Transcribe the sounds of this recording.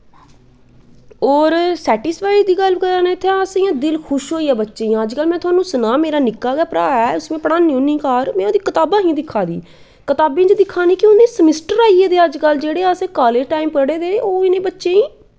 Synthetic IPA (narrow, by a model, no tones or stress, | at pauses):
ɔːɾsɛːʈɪspaːid͡ʒd̪iːɡəlbkəɾãːneːt̪ʰːãəsẽːãːd̪ɪlkʰʊʃɦoːiːɛːbətːʃeːj̃ːəd͡ʒkəlmɛ̃ːt̪ʰʊaːnũːsənaːmeːɾaːnɪkːaːɡɛːpɾaːɛːʊsmẽːpəɽãːnːĩoːnĩːkaːɾmɛ̃ːoːd̪iːkət̪aːbãːɦĩːd̪ɪkʰːaːd̪ḭː | kət̪aːbẽːt͡ʃd̪ɪkʰːaːniːkɪoːd̪ẽːsəmɪsʈəɾaːiːeːd̪eːəd͡ʒkəld͡ʒeːɽeːəsẽːkaːleːd͡ʒʈaːimpkəɽeːd̪eːoːɪnẽːbətːʃẽːĩː